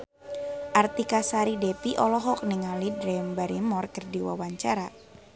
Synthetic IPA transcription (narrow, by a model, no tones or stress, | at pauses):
ʔart̪ikasaɾidepiʔɔlɔɦɔk̚niŋalidɾɛmbaɾimɔrkərdiwa̰waɲt͡ʃaɾa